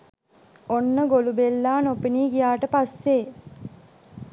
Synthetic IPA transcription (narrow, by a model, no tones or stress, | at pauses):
onːəɡolubelːaːnopiniːkijaːʈəpasːe